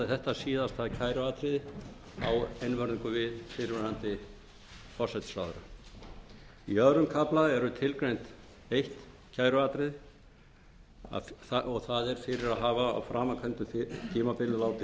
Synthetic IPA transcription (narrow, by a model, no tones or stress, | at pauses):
ɪθɛht̪asiːðast̪ʰaðcʰaːjɾʏaːt̪ɾɪð | a̰wejnvœɾðiŋkʏvɪðfɪɾvɪɾant̪ɪ | fɔsɛt̪sa̰ːwðʏɾa̰ | iœðɾʏmkʰaplaðɛɾʏt̪ʰɪlkɾejnt̪ | ejht̪ | cʰaːjɾʏaːt̪ɾɪð | θaʔɔɣθaðɛɾ̥fɪɾɪɾaðɦaːvaa̰wfɾaːmakʰœnt̪ʏθt̪ʰiːmapɪlʏlaːwt̪ɪ